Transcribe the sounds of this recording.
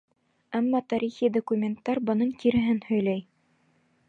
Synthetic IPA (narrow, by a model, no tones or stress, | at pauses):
æmːɑt̪ɑɾiχid̪okumʲent̪ːɑɾbɤ̆nɤɴkiɾɘ̆ɦɘnhɵ̆jlæj